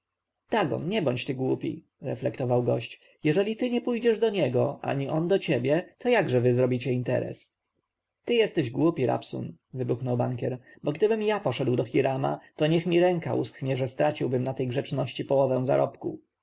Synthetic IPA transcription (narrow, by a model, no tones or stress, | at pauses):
t̪aɡɔ̰nɲɛbɔɲt͡ɕt̪ɘɡwupʲḭ | ɾɛ̰flɛkt̪ɔvawɡɔɕt͡ɕ | jɛʐɛlʲit̪ɘɲɛpujd͡ʑɛʐd̪ɔɲɛɡɔʔa̰ɲiɔnd̪ɔt͡ɕebʲjɛt̪ɔjaɡʐɛvɘzɾɔbʲit͡ɕɛint̪ɛ̰ɾɛ̰s | t̪ɘjɛst̪ɛʑɡwupʲiɾa̰psṵnvɘbuxnɔwba̰ŋkʲɛɾbɔɡd̪ɘbɘmjapɔʂɛd̪wd̪ɔxʲiɾama̰t̪ɔɲɛxmʲiɾɛŋkaʔṵskɲɛʐɛst̪ɾat͡ɕiwbɘmnat̪ɛjɡʐɛt͡ʂnɔɕt͡ɕipɔwɔvɛ̃w̃za̰ɾʔɔpku